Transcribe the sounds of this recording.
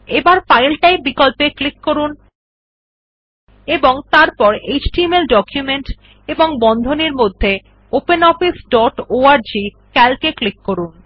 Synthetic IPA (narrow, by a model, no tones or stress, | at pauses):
ebaɾfajlʈajbikɔlpeklikːoɾun | eboŋt̪aɾpɔɾed͡ʑʈimelɖɔkjumeɳʈ | eboŋbɔnd̪ʱoneɾmod̪ʱːe | openɔfisɖɔʈoaɾd͡ʑi | kɛlkeklikːoɾun